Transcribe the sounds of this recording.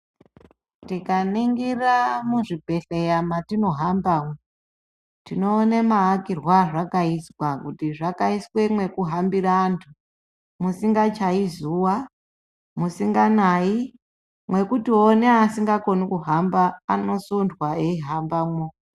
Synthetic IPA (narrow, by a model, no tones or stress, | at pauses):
tikaniŋɡiramuʐibʱe̞ɬejamatino̞ɦambamwo | tino̞ːnemaːkirwaʐakaiswakutiʐakaiswemwe̞kuɦambiɾaːntʰu | musiŋɡat͡ʃaizuwa | musiŋɡanai | mwe̞kutioneasiŋɡako̞nikuɦambaːno̞sundwaeiɦambamwo